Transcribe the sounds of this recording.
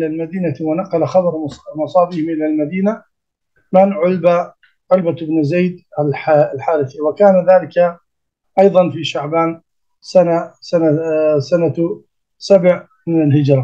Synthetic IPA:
lalmad̪iːnawanɑqɑlaxɑd̪ˤɑɾmʊsˤɑːbiːhɪmʔɪlalmad̪iːna | mɪnʕʊlba | ʕʊlbaɪbnzejd̪alħalħaːɾɪθɪwakaːnaðaːlɪka | ʔɑjðˤɑnfiʃaʕbaːn | sanasanasana | sabʕ | mɪnalhɪd͡ʒɾˤɑ

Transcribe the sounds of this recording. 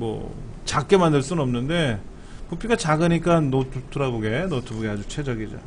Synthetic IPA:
mʌ̰ | t͡ɕak͈e̞mandɯɭs͈unɯnʌmnɯnde̞ | pupʰiɡat͡ɕaɡɯɲik͈anːotʰutʰɯɾaboɡe̞notʰubuɡeɦad͡ʑut͡ɕʰe̞d͡ʑʌɡid͡ʑa̰

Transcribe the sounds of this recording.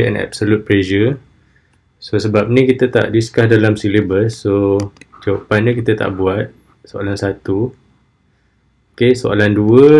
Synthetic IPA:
ɛ̰na̰bsolut̪̚pled͡ʒə | sosəbap̚nĩkit̪ət̪a̰ʔdiskahdalamsilebəsːod͡ʒawapanɲĩkit̪at̪a̰ʔbuat̪̚ | soa̰lansat̪u | okesoʔa̰landuə

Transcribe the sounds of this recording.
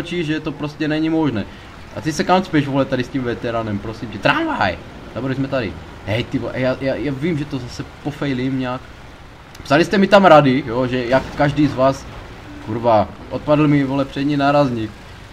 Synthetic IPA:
t͡ʃiʒɛt̪opɾoscɛnɛɲimoʒnɛː | ʔa̰t̪isɛkamt͡spjɛʃvolɛt̪adɪscimvɛt̪ɛɾanɛmpɾosimcɛt̪ɾanva̰j | zaboɾlizmɛt̪adɪ̰ | ɦɛjt̪ivoʔa̰jaːjaːjaːvimʒɛt̪ozasɛpofɛjlimɲɛak | psalist̪ɛmit̪amɾadɪjoʒɛjakːaʒdiːzvaːs | kuɾvaːʔot̪̚padl̩mɪvolɛpr̝̥ɛɲinaɾazɲik

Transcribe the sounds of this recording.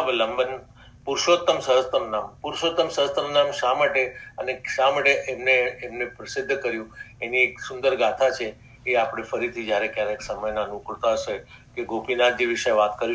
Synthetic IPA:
beləmbən | puɾʃot̪ːəmsəɦəst̪əmnampuɾʃot̪ːəmsəɦəst̪əmnamʃamaʈeəneʃamaʈeʔemneːmnepɾəsɪd̪ʱːkəɾjũenieksʊnd̪əɾɡat̪ʰat͡ʃʰe | eapɽ̃efəɾit̪ʰid͡ʒjaɾekjaɾeksəməjnanukɭt̪aɦəʃe | keɡopinad͡ʒiʋiʃəjʋat̪kəɾi

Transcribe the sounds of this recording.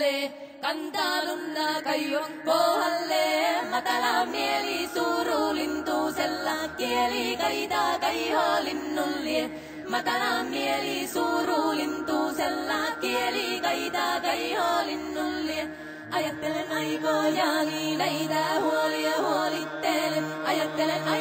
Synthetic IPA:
eː | kɐnt̪aːlund̪akɐjɐŋkoːɦɐlːeːmɐt̪ɐnamiɐlisuːɾulint̪usɛlːɐkijɐlikɐjd̪akɐjɦoːlinːulːie | mɐt̪ɐnamiɐlisuːɾulint̪usɛlːakiɐlikɐjd̪aːkɐjɦoːlinːulːie | ɐjɐt̪ːɐjkoːjaninɐjd̪ɐɦuliɦolit̪ːeɐjɐt̪ː

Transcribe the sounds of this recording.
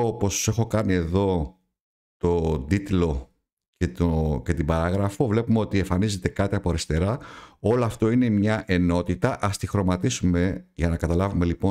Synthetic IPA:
opo̞st̪u̥se̞xo̞kɐnie̞ðo̞ | t̪o̞d̪it̪lo̞ | cet̪oce̞t̪ibɐɾɐɣɾɐfo̞vle̞pumeo̞t̪ieɱfɐnize̞t̪e̞kɐt̪iɐpo̞ɐɾist̪e̞ɾɐo̞loɐft̪o̞ine̞mɲɐʔe̞no̞t̪it̪ɐʔɐst̪ixɾo̞mɐt̪isume̞ʝɐnɐkɐt̪ɐlɐvume̞lipo

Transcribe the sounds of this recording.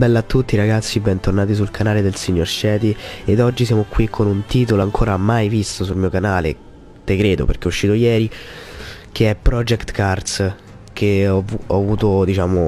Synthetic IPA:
bɛlːoat̪ːut̪ːiːɾaɡat̪sːibɛnt̪ornaːt̪̬is̬ulkʰanaːled̪elsiɲːorʃɛːt̪ied̪ɔd͡ʒːisjaːmokwikʰːonunt̪iːt̪oloaŋkʰoːɾamajvist̪osulmiːokanaːlḛ | t̪ekɾeːd̪o̰pḛrk̟eɔuʃːiːt̪ojɛːɾi | kʰeɛpːɾɔd͡ʒɛkt̪kart̪s | k̟ʰeɔɔavuːt̪od̪it͡ʃaːmo

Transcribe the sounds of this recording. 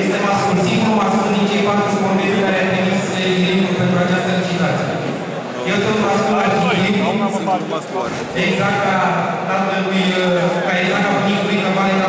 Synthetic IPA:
jest̪emaskulsiomaskud̪it͡ʃejpat̪ɾuskombeɾukaɾeap̪emisəelikuɾʲpent̪ɾuat͡ʃast̪əlit͡ʃizat̪sije | jewt̪ot̪maskulat͡ʃii | eɡzak̚t̪̚kakat̪elujkaeɡzak̚t̪apuniujkəvaɾek̪a

